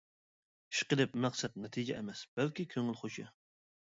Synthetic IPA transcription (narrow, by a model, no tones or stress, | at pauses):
ʃqəd̪ɛp̚mæqsɛt̪̚nɛt̪ʰɨd͡ʒɛ̰ʔḛmɛsb̥ɛlkʲikʲʰøŋɪlˠχoʃʰɪ̰